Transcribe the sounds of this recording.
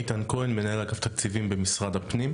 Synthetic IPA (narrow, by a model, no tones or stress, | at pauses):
t̪ankoenmenaelakaft̪akt͡sivimbemisʁad̪hapnim